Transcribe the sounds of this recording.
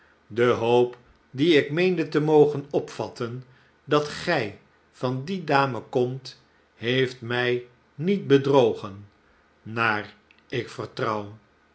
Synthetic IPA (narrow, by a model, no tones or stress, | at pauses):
dəɦowp | diɪkmejndətəmowχənɔpfɑ̰tən | dɑtχɛj | v̥ɑndidaːməkɔmt | ɦejftmɛj | nit̚bədrowχənː | aːr | ɪkfərtrʌw